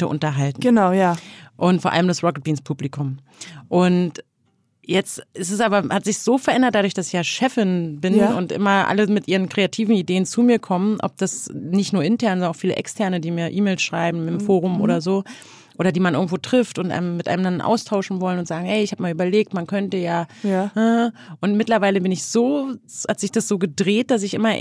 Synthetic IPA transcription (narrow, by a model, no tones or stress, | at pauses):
tə̰ʔʊ̰ntɐɦaltn̩ɡənaʊjaʔʊntfoːɐʔa̰ləmdasʁɔkət̚b̥iːnspʰuːplikʰʊm | ʔʊnt | jɛt͡stʔɪstɛs̬ʔaːbɐhatz̥ɪçz̥oːfɛɐʔɛndɐt̚d̥adʊɐçd̥asɪ̥çjaːʃɛfɪnbɪnʊntʔɪ̰mɐʔa̰ləmɪtʔiːʁ̞ənkʁ̥eatʰiːvn̩ideːənt͡suːmiːɐkʰɔməʔɔ̰p̚d̥asnɪçtnuːɐʔɪntʰɛɐnɔnɐnaʊfiːlə̰ʔɛ̰kstʰɛɐnədiːmiːɐʔiːmeːlsʃʁ̥aɪbm̩ɪmfoːʁ̞ʊmʔo̰ːɾɐzoː | ʔoːɾɐdiːmanʔɪɐɡŋ̩tv̥oːtʁ̥ɪftʊntʔa̰ɪnəmːɪtʔa̰ɪnəmdannʔa̰ʊstʰaʊʃn̩vɔlənʊntz̥aːɡŋ̩hɛɪɪçhaːpmaːlʔyːbɐleːk̚tmankʰœntəjaːhʔʊntmɪtlɐvaɪləbɪnɪçz̥oːhatz̥ɪçd̥asz̥oːɡədʁeːt̚d̥as̬ɪçʔɪmɐ